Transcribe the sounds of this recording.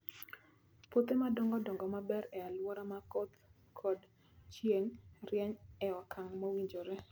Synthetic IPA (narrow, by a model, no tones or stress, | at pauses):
pot̪emadɔŋɡɔdɔŋɡɔmabɛɾɛalwɔɾamakot̪ | kʰɔd | t͡ʃjeŋrjɛɲɛɔkʰaŋmowiɲd͡ʒoɾe